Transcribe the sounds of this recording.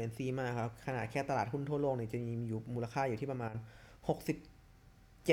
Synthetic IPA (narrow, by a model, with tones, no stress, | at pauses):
e˧˦nsiː˧˥˩maː˥˩kʰa˦˥p̚kʰa˧naː˨˩t̪̚kʰɛː˥˩t̪a˧laː˨˩t̪̚hu˥˩nt̪ʰu˥˩ət̚loː˧ŋniː˧˥˩t͡ɕa˨˩miː˧juː˨˩muː˧la˧kʰaː˥˩ju˨˩t̪iː˥˩p̚a˧maː˧nho˨˩k̚si˨˩p̚ | t͡ɕe˨˩